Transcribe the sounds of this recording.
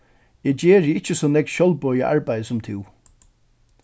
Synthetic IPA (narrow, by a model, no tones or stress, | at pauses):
ɛt͡ɕɛːɹɪɪt͡ʃːəsɔːnɛk̪ʃɔlbɔːjəʔa̰ɹbajðsʊmt̪ʰɪw